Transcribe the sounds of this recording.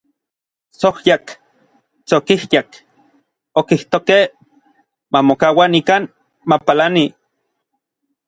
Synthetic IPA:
sohjak | t͡sokihjak | okiht̪okeh | mamokawanikan | mapalani

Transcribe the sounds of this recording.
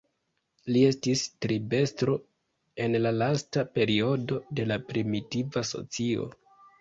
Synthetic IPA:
lie̞stistɾibe̞stɾo̞ | e̞nlalastape̞ɾio̞do̞de̞lapɾimitivaso̞̰t͡sio̞̰

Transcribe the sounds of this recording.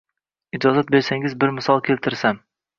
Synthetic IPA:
ɪd͡ʒɒzat̪̚be̞ɾsaŋɪzbɪɾmɪsɒlˠkʲʰe̞lt̪ʰɪɾsam

